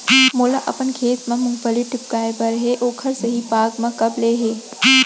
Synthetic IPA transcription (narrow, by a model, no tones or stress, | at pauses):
moːlaʔɐ̰pənkʰeːt̪mẽmʊ̃ŋɡpəliʈɪp̚kaːebɐɾɦeʔoːkʰɐɾsɐɦipaːɡmẽkɐbleːɦeː